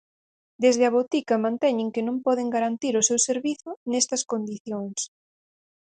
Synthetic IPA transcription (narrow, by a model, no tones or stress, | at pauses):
d̪ezð̞ɪɐβot̪ikɐmãnt̪ɛɲɪŋkɪnõmpɔðeŋɡaɾant̪iɾʊsewseɾβiθʊnɛst̪ɐskond̪iθjoŋs